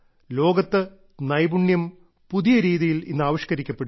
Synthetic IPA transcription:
lo̞ːɡɐt̪ːɨ | nɐjbuɳjɐm | puðijɐɾiːðijilḭnːɨaːʋɐʂkɐɾikʲːɐpːe̞ɽu

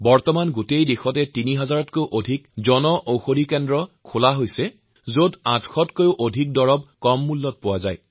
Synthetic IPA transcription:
bɔɹtɔmanɡutejdixɔtɛtiniɦazaɹɔtkojʔodʱikzɔnɔʔowxodikɛndɹɔkʰolaɦojsɛ | zodãtʰxɔtkojʊʔodʱik̚dɔɹɔb̚kɔmːulːɔt̚pʊwazaj

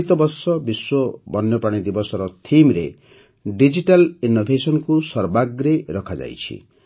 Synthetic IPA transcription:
t̪ɔbɔɾsɔbiswɔbɔnjɔpɾaɽ̃id̪ibɔsɔɾɔt̪ʰimɾe | ɖid͡ʒiʈalinːobʱesɔnɔkusɔɾbaɡɾeɾɔkʰad͡ʒa̰jt͡ʃʰḭ

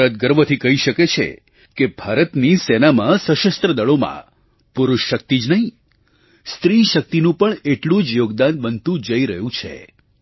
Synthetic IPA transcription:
ɾət̪̚ɡəɾʋət̪ʰikəɦiʃəket͡ʃʰḛ | kebʱaɾət̪nisɛnamãsəʃəst̪ɾəd̪əɭomã̰ | pʊɾʊʃːək̚t̪id͡ʒnəɦĩ | st̪ɾiʃək̚t̪inũpəɳeʈlũd͡ʒjoɡd̪anbənt̪ũd͡ʒəiɾəɦjũt͡ʃʰḛ

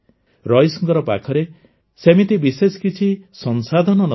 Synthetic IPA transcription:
ɾɔjsɔŋkɔɾɔpa̰kʰɔɾe | semit̪ibiseskit͡ʃʰisɔnsad̪ʱɔnɔnɔ

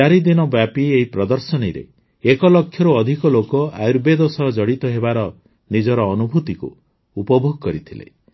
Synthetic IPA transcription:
aɾid̪inɔbapieɦipɾɔd̪ɔɾsɔneɾḛ | ekɔlɔkʰːjɔɾuɔd̪ʱikɔlokɔajɾbed̪ɔsɔd͡ʒɔɽit̪ɔɦebaɾɔ | nid͡ʒɔɾɔːnubʱut̪ikṵ | upɔbʱoɡɔkɔɾit̪ʰilḛ

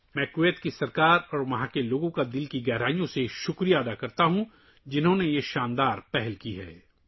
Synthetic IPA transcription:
mɛ̃ːkʋeːt̪kisɐɾkaːɾɔːɾmɐɦãkeloːɡõkad̪ɪlkiɡɛɦɾaːijõseʃʊkɾijaɐd̪akɐɾt̪aɦũ | d͡ʒɪnɦõnejeʃaːnd̪aːɾpɛɦɛlkiɦɛ̰ː

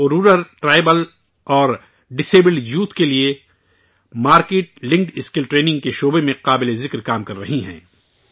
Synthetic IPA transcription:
oɾuːɾəɾʈɾaːɪbəl | ɔːɾ | ɖɪseːbɪljuːt̪kelie | maːɾkeːʈ̚lɪ̃ŋkʈɪskɪlʈɾeːnɪ̃ŋɡ̚keʃoːbemẽqaːbɪlezɪkɾkaːmkɐɾːɐɦiɦɛ̰̃ː

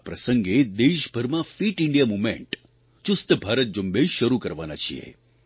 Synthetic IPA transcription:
pɾəsəŋɡed̪eʃbʱəɾmãfiʈɪɳɖijamumḛ̃ɳʈ | t͡ʃʊst̪əbʱaɾət̪̚d͡ʒumbeʃəɾukəɾʋana̰t͡ʃʰiḛ

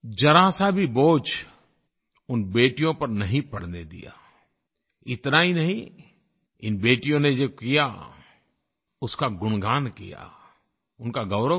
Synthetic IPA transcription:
d͡ʒɐɾaːsabʱiboːt͡ʃ | ʊnbeːʈijõpɐɾnɐɦĩpɐɽ̤ned̪ḭja̰ː | ɪt̪nainɐɦĩ | ɪnbeːʈijõned͡ʒoːkija̰ | ʊskaɡʊɽ̃ɡaːnkḭja̰ | ʊnkaɡɐʊɾə

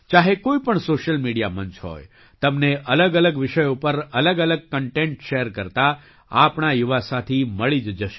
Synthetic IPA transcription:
t͡ʃaɦekoipəɳsoʃəlmiɽijamənt͡ʃʰɦo̰j | t̪əmneʔələɡələɡʋɪʃəjopəɾələɡələɡ̚kəɳʈẽɳʈʃeɾkəɾt̪a | apɳajuʋasat̪ʰiməɭid͡ʒd͡ʒəʃe̥

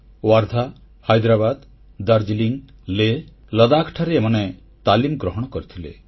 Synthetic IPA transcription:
waɾd̪ʱa | hajd̪ɾabad̪ | d̪aɾd͡ʒiliŋ | le | ləd̪akʰʈʰaɾeːmɔne | t̪alimɡɾɔɦɔɽ̃ɔkɔɾit̪ʰilḛ

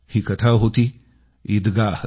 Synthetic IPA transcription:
hikɐt̪ʰaɦoːt̪i | id̪ɡaːh

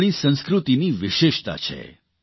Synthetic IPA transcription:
ɽ̃ĩsə̃nskɾut̪iniʋɪʃeʃt̪a̰t͡ʃʰḛ

